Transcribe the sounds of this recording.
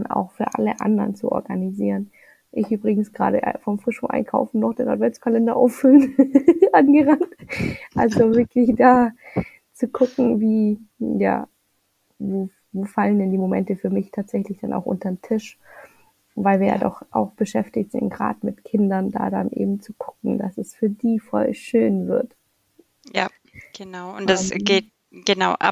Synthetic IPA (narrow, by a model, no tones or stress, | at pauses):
na̰ʊxfyːɐʔa̰ləʔa̰ndɐʁənt͡suʔɔ̰ɐɡaniziːʁən | ʔɪçʔyːbʁɪɡŋ̩sɡ̥ʁa̰ːɾəʔfɔmfʁ̥ɪʃʊʔa̰ɪnkʰaʊfn̩nɔχd̥eːnʔatvɛnt͡skʰalɛndɐʔa̰ʊffʏlənʔanɡəʁantʔalzovɪɐkʰlɪçd̥aː | t͡sukʰʊkŋ̩viːja̰ː | voː | voːfaləndɛndiːmomɛ̰ntəfyːɐmɪçtʰaːtz̥ɛçlɪçd̥ana̰ʊxʔʊ̰ntɐmtʰɪʃ | vaɪlviːɐja̰ːdɔ̰χʔa̰ʊxb̥əʃɛftɪçtz̥ɪ̰ntɡ̥ʁa̰ːtmɪtkʰɪndɐnda̰ːda̰nʔḛːbm̩t͡suɡ̥ʰʊkŋ̩da̰sɛsfyːɐdiːfɔ̰lʃøːnvɪ̰ɐt | jaː | ɡ̥ənaʊʊnd̥asɡ̥eːt̚ | ɡ̥ənaʊʔa̰